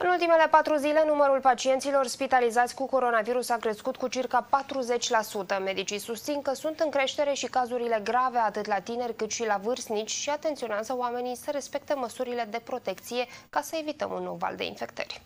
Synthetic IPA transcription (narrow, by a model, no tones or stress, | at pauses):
ɨnult̪ime̞le̞pat̪ɾuzile̞numəɾulpat͡ʃie̞nt̪silo̞rspit̪alizat̪sʲkuko̞ɾo̞naviɾusakɾe̞skut̪kut͡ʃirkapat̪ɾuze̞t͡ʃʲlasut̪əme̞d̪it͡ʃisust̪sinkəsunt̪ɨŋkɾe̞ʃt̪e̞ɾe̞ʃikazuɾile̞ɡɾaveat̪ɨt̪lat̪ine̞rʲkɨt̪ʃilavɨrsnit͡ʃʲʃiat̪e̞nt̪sio̞nɪazəoame̞nisəɾe̞spe̞k̚t̪eməsuɾiled̪e̞pɾo̞t̪e̞kt̪sije̞kasəe̞vit̪ə̰mṵnːowva̰ld̪ḛḭnfe̞k̚t̪ə̰rʲ